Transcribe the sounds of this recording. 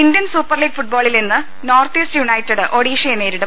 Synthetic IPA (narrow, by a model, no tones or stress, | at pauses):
ind̪jɐnsuːpːɐrliːɡ̚fuʈ̚boːɭilinːɨ | noːrt̪iːsʈjuɳɐjtːɐɽɨʔoɽiːʂɐjɐne̞ːɾiɽɐm